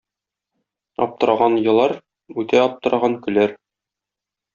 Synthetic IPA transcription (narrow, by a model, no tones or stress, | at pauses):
ɒ̰p̚t̪ɤ̆ɾɑʁɑnjɤ̆lˠɑɾ | ʉt̪æɒp̚t̪ɤ̆ɾʔɑʁɑŋkɵ̆læɾ